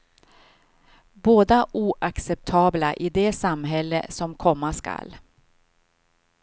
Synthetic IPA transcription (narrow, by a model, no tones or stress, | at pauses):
boːd̪aʔuːʔaksɛp̚t̪ʰɑːblaʔɪd̪ɛsamɦɛlːə̰sɔmkʰɔmːaskʰa̰l